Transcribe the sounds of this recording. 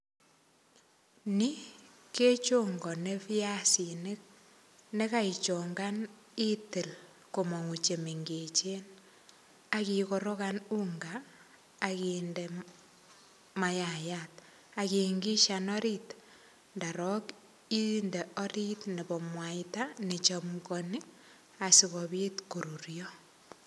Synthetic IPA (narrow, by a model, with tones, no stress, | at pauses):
ni˦ | ke˦t͡ʃoŋɡɔ˨ne˦fi˦a˦si˨ne˦k̚ | ne˦ka˦it͡ʃo˨ŋɡa˦n | i˦tɪ˨l | ko˨mɔ˨ŋu˨t͡ʃe˨me˨ŋɡe˨t͡ʃe˦n | akiko˨ɾo˦ka˦nu˦ŋɡaː˨ | kinde | ma˨jajat̚ | a˨kiŋɡi˦ʃanɔ˦ɾit | nda˨ɾɔ˦k | i˦ndɛ˨ɔ˦ɾi˦tne˨bɔ˨mwa˨itane˨t͡ʃɔmkɔnɪ˦k | a˨si˨ɣɔ˨bi˦tku˨ɾu˨ɾjɔ˦